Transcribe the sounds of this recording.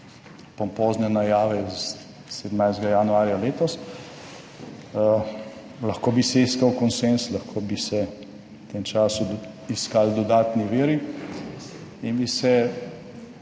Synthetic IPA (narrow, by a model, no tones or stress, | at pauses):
pɔmpoːznɛnajaːʋɛz | sed̪majzd̪ɡajanuaːɾjaleːt̪ɔs | lɐxkoːbisɛiskawkɔnsenslɐxkʰoːbisɛ | wt̪eːmt͡ʃaːsu | iskaːld̪ɔd̪aːt̪niʋeːɾi | inbisɛ